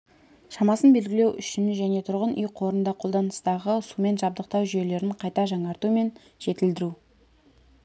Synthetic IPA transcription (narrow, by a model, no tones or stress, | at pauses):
ʃɑmɑsənbe̞lɡʲɪle̞wʔʏʃɪnʒæne̞t̪ʰʊɾʁənʔʏjqʰo̞ɾənd̪ɑqʰo̞lˠd̪ɑnəst̪ɑʁəsume̞nʒɑb̚d̪əq̚t̪ɑwʒʏje̞le̞ɾɪɴqʰɑjt̪ɑʒɑɴɑɾt̪ume̞n | ʒ̥e̞t̪ɪld̪ɪɾu